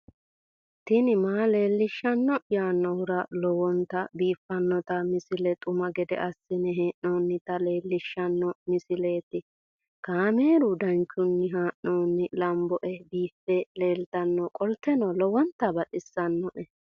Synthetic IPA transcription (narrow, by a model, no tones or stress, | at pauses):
t̪ɪnɪmaːle̞ːlːɪʃːɐnːɔjaːnːɔwʊɾɐlɔwɔnt̪ɐbiːfːɐnːɔt̪ɐmɪsɪlɛt̪ʼʊmɐɡɛd̪ɛ̰ʔɐsːɪnɛɦeːʔnoːnːɪt̪ɐle̞ːlːɪʃːɐnːɔmɪsɪle̞ːt̪ɪ | kaːmeːɾʊd̪ɐnt͡ʃːʊnːɪɦaːʔnoːnːɪlɐmbɔʔɛbiːfːɛleːlt̪ɐnːɔkʼɔlt̪ːɛnɔlɔwɔnt̪ːɐbɐᶑɪsːɐnːɔʔɛ